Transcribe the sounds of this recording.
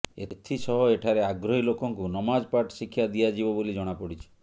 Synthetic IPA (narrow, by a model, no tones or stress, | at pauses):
et̪ʰisɔɦɔeʈʰaɾeaɡɾɔɦilokɔŋkunɔmad͡ʒpaʈsikʰːjad̪iad͡ʒibɔbolid͡ʒɔɽ̃apɔɽit͡ʃʰi̥